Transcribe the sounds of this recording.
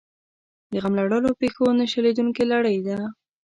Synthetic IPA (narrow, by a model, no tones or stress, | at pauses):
d̪əɣamlaɽəlopexonaʃaled̪uŋkelaɽəjd̪a